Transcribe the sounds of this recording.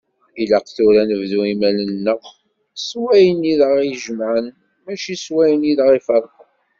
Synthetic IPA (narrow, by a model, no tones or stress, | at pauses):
ilæqθuɾænəvðuimælənːəχ | swæjəniðəʁiʒəmʕən | mæt͡ʃiswæjəniðʁifɑɾˤə